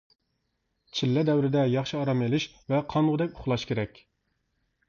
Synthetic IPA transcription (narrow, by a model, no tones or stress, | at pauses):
t͡ʃʰilːɛd̪ɛwɾɪd̪ɛjɑχʃiɑɾɑmelɪʃ | vɛqʰɑnuʁd̪ɛkʲʊχlˠɑʃkʲʰeɾɛkʲ